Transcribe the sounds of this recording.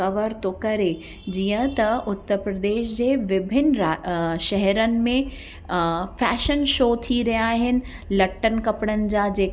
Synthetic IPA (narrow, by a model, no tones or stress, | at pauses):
ɐʋəɾt̪okɐɾe | d͡ʑiːə̃t̪ɐʊt̪ːəɾpɾəd̪eːʃd͡ʑeːʋɪbʱɪnɾaʃɛɦɛɾənɪ̆mẽ | fɛːʃənʃoːt̪ʰiɾɐjaaːɦɪnɪ̆ | lɐʈːənkɐpɽ̃ənɪ̆d͡ʑaːd͡ʑeː